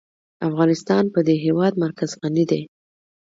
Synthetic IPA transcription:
afɣɑnɪst̪ɑnpəd̪eɦewɑd̪maɾkazɣanid̪e

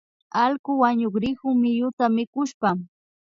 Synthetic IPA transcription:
ɑlkʊwaɲoχɾɪkʊmɪjʊt̪amɪkʊʃpa

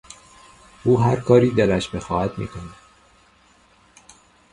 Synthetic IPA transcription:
ʔuːɦæɾkʰɒːɾiːd̪elæʃbexɒːhæd̪̥mḭːkʰonæd̪̥

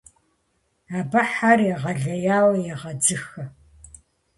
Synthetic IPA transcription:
aːbɐħariːʁɐɮɐjaːwɐjɛʁɐd͡zɨxɐ

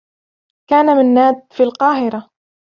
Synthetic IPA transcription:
kaːnamɪnːaːd̪̚filqɑːɦɪɾa

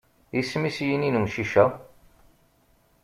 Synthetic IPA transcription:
ismisjininumʃiʃæ

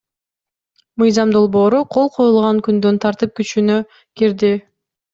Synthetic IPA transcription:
mɯjzɑmd̪o̞lˠbo̞ːɾuqʰo̞lˠqʰo̞julˠʁɑŋkynd̪ønt̪ʰɑɾt̪ɯp̚kyt͡ʃynø | kiɾd̪i

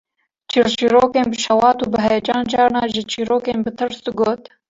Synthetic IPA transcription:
t͡ʃʰiːɾt͡ʃiːɾoːkeːnbɨʃɛwɑːt̪uːbɨɦɛjɛd͡ʒɑːnd͡ʒɑːɾnɑːʒɨt͡ʃʰiːɾoːkeːnbɨt̪ʰɨɾsd̪ɡoːt̪

